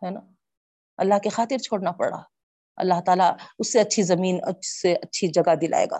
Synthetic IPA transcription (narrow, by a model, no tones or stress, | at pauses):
hɛːnaː | ɐlːaɦkexaːt̪ɪɾt͡ʃʰoːɽnapɐ̰ɽa̰ː | ɐ̰lːaɦt̪aːlaʊsːeɐtːʃʰizɐmiːnɐ̰seʔɐtːʃʰid͡ʒɐɡad̪ɪlʔa̰ːḛːɡa̰ː